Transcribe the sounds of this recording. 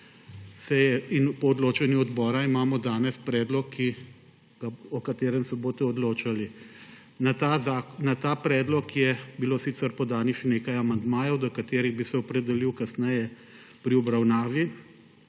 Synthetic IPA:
sɛjɛinpɔɔd̪loːt͡ʃɛnjuɔd̪bɔːɾaimaːmɔd̪aːnɛspɾɛːd̪lɔkʰːi | ɡaɔkat̪eːɾɛmsɛboːt̪ɛɔd̪loːt͡ʃali | nat̪azaːknat̪aːpɾɛːd̪lɔkjɛbiloːsit̪sɛɾpɔd̪aːnixʃɛneːkajamand̪maːjɔwd̪ɔkat̪eːɾiɣbisɛɔpɾɛd̪ɛliwkasnɛjɛ | pɾiɔbɾawnaːʋi

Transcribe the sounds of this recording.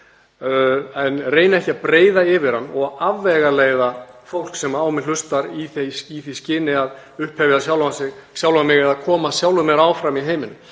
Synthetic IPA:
ɛnreːjnaɛhcɪapɾeːjðaɪvɪɾ̥hanːɔɣavːɛɣaleːjðafowl̥ksɛmaːwmɪl̥ʏst̪aɾiθejsiθiscɪːnɪað | ʏhphɛvjɪðasjawlasɪɣsjawlamɪɣɛðakʰɔːmasjawlʏmɛɾaːwfɾamiɦeːjmɪnʏ

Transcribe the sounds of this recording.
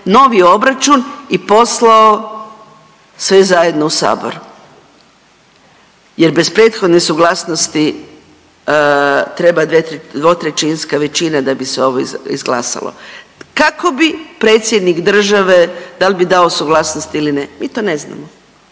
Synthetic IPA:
no̞ʋijo̞bɾat͡ʃunipo̞slao | sʋezaje̞d̪nousa̰ːbo̰ɾu | je̞ɾbe̞spɾe̞ːt̪xo̞d̪nesuɡlˠasnost̪i | t̪ɾe̞bad̪ʋed̪ʋot̪ɾet͡ʃinskaʋe̞t͡ʃinad̪abiseo̞ʋoḭzɡlˠa̰ːsa̰lo̰kako̞bipɾe̞ːt̪sjed̪nikd̪r̩ʒaʋe̞d̪albid̪aosuɡlˠasnost̪ilinemiːt̪o̞ːnezna̰mo

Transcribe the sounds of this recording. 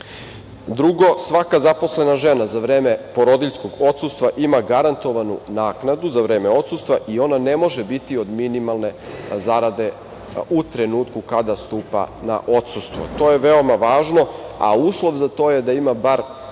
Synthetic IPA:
d̪ɾuɡo̞sʋakazaposle̞naʒe̞nazaʋɾeːmepo̞ɾod̪iʎsko̞ɡo̞t̪sust̪ʋaʔimaɡaɾant̪o̞ʋanṵnaːknad̪uzaʋɾeːmeo̞t̪sust̪ʋaʔio̞nane̞mo̞ʒebit̪io̞d̪minimalˠne̞zaɾad̪e̞ | ut̪ɾenuːt̪kukad̪ast̪uːpa̰na̰ʔot̪sust̪ʋo̰t̪o̞ːjeʋeo̞maʋaːʒno̞a̰uːslˠo̞ʋzat̪o̞ːjed̪aimabaɾ

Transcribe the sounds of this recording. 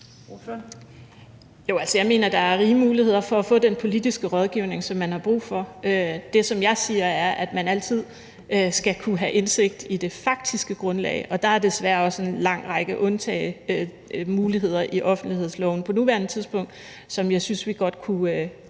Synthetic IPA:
jo̝ælsəjɑ̈ɪme̝ːnɐd̥ɑ̈æɐʁiːəmuːlihe̝ð̞̰ˠɐfɒ̽æfɔ̰̽ːd̥enpʰo̝lid̥isɡ̥əʁɒ̽ð̞ˠɡ̥iʊne̝ŋsɒ̽mːænhɑ̈b̥ʁṵːfɒ̽ød̥e̝sɒ̽mjɑ̈ɪsiːɐæɐʔæd̥mænæl̰t͡sʰið̞̰ˠ | øsɡ̥ækʰuɦæʔe̝nse̝ɡ̥̚d̥id̥e̝fɑ̈ɡ̥̚d̥isɡ̥əɡ̥ʁɔ̽nlɛ̰ːɪʔɒ̽d̥ɑ̈æɐd̥e̝sʋæːɐɒ̽səe̝nlɑ̈ŋ̰ʁɑɡ̥əʔɔ̽nt͡sʰɛ̰ːɪø | muːliɦe̝ð̞̰ˠɐʔiʔɒ̽fn̩d̥liheð̰ˠslɒʊn̩pʰɒ̽nuʋæɐnət͡sʰiðˠsb̥ɔ̽ŋ̰d̥ | sɒ̽mjɑ̈ɪsynsʋiɡ̥ɒ̽d̥̚kʰuø

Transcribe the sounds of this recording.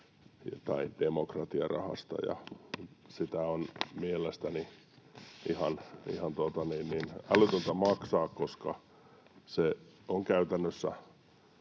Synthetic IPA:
t̪ɑid̥emokrɑt̪iɑrɑ̰hɑ̰st̪ɑ̰jɑ̰ | sit̪æonmielest̪æni | ihɑnḭhɑnt̪uot̪ɑninninɑlyt̪ønt̪æmɑksɑːkkoskɑ̰ | se | oŋkæyt̪ænːøsːæ̰

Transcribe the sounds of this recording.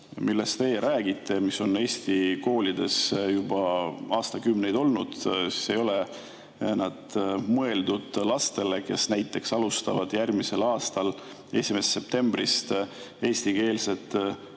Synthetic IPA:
mʔilːest̪t̪e̞jɾʔæːɡ̥it̪ːˑe̞miso̞ne̞ːsʲt̪iko̞ːlʲid̪̥e̞sjub̥ɑɑːst̪ɑkymne̞jd̪o̞lnud̪̥si̥se̞jo̞le̞ | nɑd̪̥mɤe̞ld̪ud̪̥lɑst̪e̞le̞ke̞snæjt̪ːˑe̞ksɑlust̪ɑvɑd̪̥jærmise̞lɑːst̪ɑl | e̞sime̞sːe̞p̚t̪e̞mb̥rist̪ | e̞ːsʲt̪ike̞ːlset̪ˑ

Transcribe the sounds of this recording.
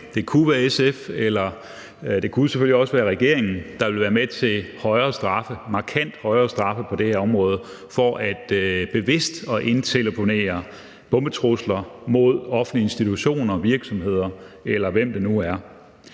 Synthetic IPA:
d̥e̝kʰuʋæːɐesefelɐ | d̥e̝kʰuseføliɒ̽səʋæːɐʁɛɡ̥e̝ɐe̝ŋn̩d̥ɑ̈ʋe̝lʋæːɐmet͡sʰe̝lhɒ̽ɪɐːsd̥ʁɑ̈fəmɑ̈ːkʰæn̰d̥hɒ̽ɪɐːsd̥ʁɑ̈fəpʰɒ̽d̥eheɐɒ̽mʁɔ̽ːð̞̩ˠ | fɒʔæd̥b̥e̝ʋe̝sd̥ɒ̽ʔe̝nt͡sʰe̝lpʰo̝ne̝̰ːɐ | b̥ɔ̽mb̥ət͡sʰʁoslɐmo̝ð̞̰ˠɒ̽fn̩lie̝nsd̥it͡sʰuɕo̝̰ːnɐʋiɐɡ̥sɒ̽mhe̝ð̰ˠɐelɐʋem̰d̥e̝nuæɐ

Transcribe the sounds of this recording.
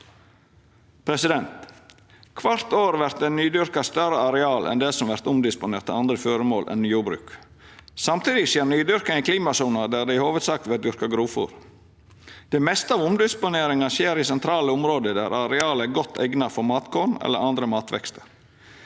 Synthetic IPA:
pʰɾɛsɪd̪ɛnt̪ | kʰʋɑɾt̪oːɾʋæɾt̪d̪ɛnyːd̪ʏɾkɑst̪œɾəɑɾɛɑːlʔɛ̰nd̪ɛːsɔmʋæɾt̪ʊmd̪ɪspʊneːɾt̪ːɛ̰ɑnd̪ɾəføːɾəmoːlʔɛ̰nnyːjʊːbɾʉ̰ːk | sɑmt̪ʰiːd̪ɪʃjeːɾnyːd̪ʏɾkɑɪkliːmɑsuːnɑd̪æːɾd̪ɛɪhoːʋəd̪sɑːk̚t̪ʋɛd̪ʏɾkɑɡɾuːfʊ̰ɾ | d̪̥ɛːmɛst̪əɑːʋʊmd̪ɪspʊneːɾɪŋɑʃeːɾiːsɛnt̪ʰɾɑːləʊmɾoːd̪əd̪æ̰ɾʔɑɾɛɑːləæɡɔt̪ʰːɛ̰ɡnɑfɔɾmɑːt̪kʰonɛ̰lːə̰ɾɑnd̪ɾəmɑːt̪ʰʋɛ̰kst̪ə̥ɾ

